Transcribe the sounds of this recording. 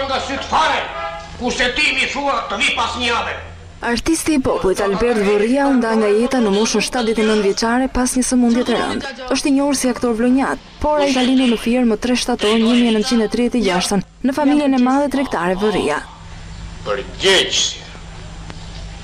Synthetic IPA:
ŋɡasyt̪əfaɾɛkuɾsɛt̪imiθuat̪əðipasɲəavɛ | aɾt̪ist̪iːpɔpulˠit̪albɛɾt̪vəriaund̪aŋɡajɛt̪anəmuʃənʃt̪at̪̚ðɛt̪ɛnənvjɛt͡ʃaɾɛpasɲəsəmund̪jɛt̪ɛɾə̰nd̪ | əʃt̪ɛɲɔuɾsiakt̪ɔɾvlɔɲat̪̚ | pɔɾaikalind̪uɾnəfiɛɾmət̪ɾɛʃt̪at̪ɔɾnɲəmiɛnənt̪̚t͡ɕind̪ɛt̪ɾiðjɛt̪ɛd͡ʑaʃt̪ən | nəfamiljɛnɛmaðɛt̪ɾɛkt̪aɾɛvərḭa̰ | pəɾɟɛd͡ʒs

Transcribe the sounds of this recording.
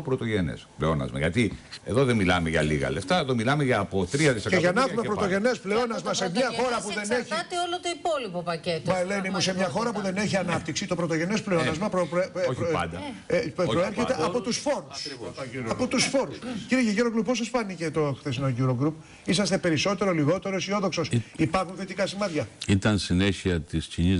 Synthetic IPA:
opɾot̪o̞ʝene̞̰spleo̰nɐ̰zmɐ̰ʝɐ̰t̪ie̞̰ðo̞ðemilɐ̰meʝɐ̰lḭɣɐ̰left̪ɐeðomilɐmeʝɐːpot̪ɾiɐt̪iseʝɐnɐfumepɾo̞t̪o̞ʝe̞ne̞spleo̞nɐzmɐse̞mɲɐxo̞ɾɐpuðe̞neçit̪eolot̪oipolipopɐcet̪oɐlenimuse̞mɲɐxo̞ɾɐpuðe̞neçiɐnɐpt̪iksit̪o̞pɾot̪o̞ʝe̞ne̞sple̞o̞nɐzmɐpɾo | ɐd̪ɐppɾoeɾçet̪e̞ʔʔɐpo̞t̪usfo̞ɾusɐpo̞t̪usfo̞ɾusciɾiʝeʝuɾoɡɾuppːosesfɐnicet̪oxθesinoʝuɾoɡɾup | is̬ɐs̬t̪e̞pe̞ɾiso̞t̪e̞ɾo̞liɣo̞t̪e̞ɾosio̞ðo̞kso̞sipɐɾxunθet̪ikɐsimɐt̪çɐit̪ɐnsineçiɐt̪iscini

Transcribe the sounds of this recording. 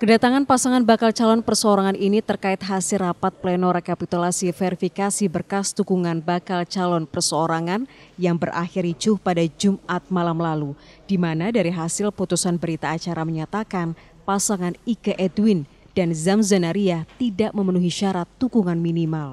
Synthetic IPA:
kədat̪aŋanpasaŋanbakalt͡ʃalɔnpərsəoɾaŋaninit̪ərkaɪt̪̚ɦasɪrapat̪̚plɛnɔɾekapit̪ulasifeɾifikasibərkast̪uɡuŋanbakalt͡ʃalɔnpərsəoɾaŋanjaŋbərʔa̰xɪɾit͡ʃʊhpadad͡ʒumʔat̪̚malamlalu | d̥imanadaɾiɦasɪlput̪usanbəɾit̪aːt͡ʃaɾaməɲat̪akan | pasaŋaniɡaʔɛdwin | danzamzanaɾiat̪idaʔməmənuɦiʃaɾat̪ːukuŋanminimal

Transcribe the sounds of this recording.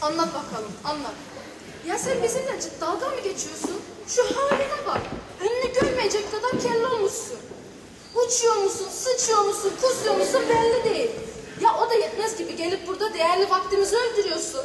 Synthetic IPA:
anlˠat̪bakʰalˠɯmanlˠat̪̚bakʰalˠ | jasænbizimd̪æt͡ʃʰid̪alˠɡanmɯɟʲe̞t͡ʃʰijo̞sun | ʃuhavlɛd̪ɛvaɾ | ɛmnʲɛɟøɾmejɛd͡ʒɛc̚kʰad̪aɾcʰɛllːʲio̞lˠmuʃsun | ut͡ʃʰujo̞ɾmusunsɯt͡ʃʰujo̞ɾmusunkʰusujomusunbɛlʲːid̪e̞jilʲjaʔo̞d̪ajɯt̪mɛzɟibiɟe̞lʲip̚buɾd̪ad̪e̞jæɾlʲivakt̪ɯmɯzɯølʲd̪yɾyjo̞sun

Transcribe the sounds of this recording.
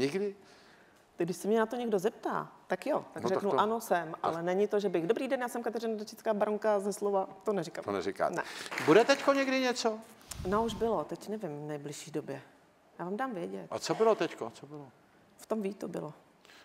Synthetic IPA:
ɲɪɡdɪ | t̪ɪɡdɪʃsɛmɲɛnat̪oɲɛɡdo̞zɛp̚t̪a̰ːt̪akjot̪aɡrɛknuʔano̞sɛmʔa̰lɛnɛɲɪt̪oʒɛbɪɣdobɾiːdɛnjaːsɛmkat̪ɛɾɪnadɛt͡ʃɪt͡skaːbaɾoŋkazɛslovat̪onɛɾɪka̰mt̪o̰nɛ̰ɾɪka̰ːnɛ̰budɛt̪ɛckoɲɛɡdɪɲɛt͡so | nouʒbɪlot̪ɛcnɛvɪmvnɛjblɪʃiːdobjɛ | jaːvaːmdaːmvjɛɟɛ̰t̪ʔa̰t͡sobɪlot̪ɛckot͡sobɪlo | ft̪o̞mviːt̪obɪ̰lo

